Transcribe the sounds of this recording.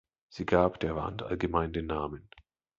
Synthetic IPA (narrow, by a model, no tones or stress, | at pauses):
z̥iːɡaːpd̥eːɐva̰ntʔa̰lɡəmaɪndeːnːaːmən